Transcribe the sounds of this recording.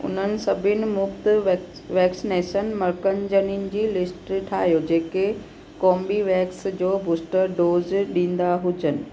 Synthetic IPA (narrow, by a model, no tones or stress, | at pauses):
ʊ̰n̤ənɪ̆sɐbʱɪnɪ̆mʊft̪ | ʋɛːksɪneːʃənmɐɾkənɪd͡ʑəninɪ̆d͡ʑiːlɪsʈʈʰa̰ːɦijod͡ʑeːke | kɔːmbiʋɛːksd͡ʑoːbuːsʈəɾɖoːzɗĩːn̆d̪aɦʊd͡ʑənɪ̆